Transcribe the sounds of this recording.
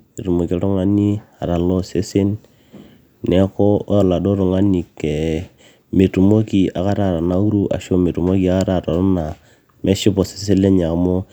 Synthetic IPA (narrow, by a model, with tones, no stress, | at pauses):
e˨tu˨mo˨ki˦e˨˦ɾɔ˦ŋa˦ni˦a˨ɾa˨lo˦se˦se˦nː | ɛ˨˦kɔ˦a˦˨la˨do˦ɾɔ˨ŋa˦ni˨ke˨ | me˨tu˨mo˦ki˨a˨ka˦ɾa˦˨ɾa˨na˦u˦ɾu˦ʔa̰˨ʃo˦me˨tu˨mo˦ki˨a˦ka˦ɾa˨to˨ɾɔ˦na˨ | me˦ʃɪ˦pɔ˨se̥˦s̬e˦le˦ɲa˨mo˦